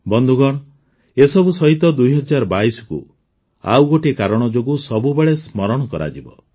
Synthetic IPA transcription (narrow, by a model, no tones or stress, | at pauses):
bɔnd̪ʱuɡɔɽ̃ | esɔbusɔɦit̪ɔd̪ujɦɔd͡ʒaɾɔbaisɔ̥kṵ | a̰wɡoʈikaɾɔɽ̃ɔd͡ʒoɡusɔbubeɭesmɔɾɔɽ̃ɔkɔɾa̰d͡ʒibɔ̰